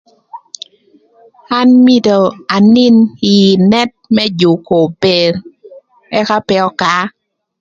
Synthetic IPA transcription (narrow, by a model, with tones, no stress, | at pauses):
a˦nmi˦do˨a˨nɪ˦nɪ˨nɛ˦t̚mɛ˦d͡ʒu˨ko˨pe˨ɾ | ɛ˦ka˦pɛ˦ɔ˦ka˨˦